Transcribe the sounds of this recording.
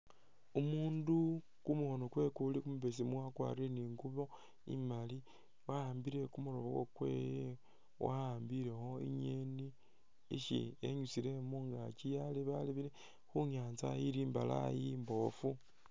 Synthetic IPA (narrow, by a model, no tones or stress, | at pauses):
umuːndu | kumuho̞nokwe̞kulikumuβes̬imuwakwa̰ːriɾe̞niːŋɡuβo | ḭmali | wahaːmbiɾe̞kumulo̞βo̰ko̰kwe̞̰je | wʔahaːmbiɾe̞ho̞ḭɲeni | ḭʃḭeɲusile̞muŋɡat͡ʃijaliβaliβiɾe | xuɲaːnt͡sa̰jiɾiːmbala̰jimbo̞fu